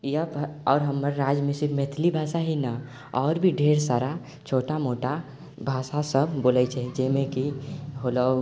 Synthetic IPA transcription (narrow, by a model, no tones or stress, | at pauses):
jəbɔːɾɦəməɾːaːd͡ʒmisimet̪ʰlibʱaːsaɦina | ɔːɾbʱiɖʱeːɾsaːɾa | t͡ʃʰoːʈamoːʈa | bʱaːsasəbbolət͡ʃʰɛd͡ʒɛmẽkiɦolə